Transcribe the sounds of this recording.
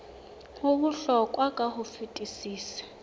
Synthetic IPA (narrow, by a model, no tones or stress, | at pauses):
uβuɬɔkʼwakʼahufitʼisiːsɛ̥